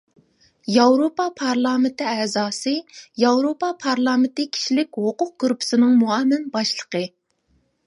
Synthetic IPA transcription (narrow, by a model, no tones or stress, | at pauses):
jɑwɾopɑpʰɑɾlˠɑːmɪnt̪ɪɛzɑːsɨjɑwɾopɑpʰɑɾlˠɑːmɪnt̪ɪkʲʰi̥ʃilɪkʲhoqʊq̚kuɾpʰʊ̥sɪnɪŋmuɑmːɪnbɑʃlˠəqə